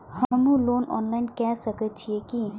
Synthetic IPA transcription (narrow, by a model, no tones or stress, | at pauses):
həmũloːnɔ̰ːnlaːɪnkɛsəkət̪̚t͡ʃʰieki